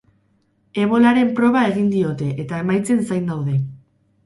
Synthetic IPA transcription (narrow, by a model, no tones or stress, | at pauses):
e̞β̞o̞laɾe̞mpɾo̞β̞ae̞ɣind̪io̞t̪e̞ʔet̪ae̞majt͡se̞nsajnd̪awðe̞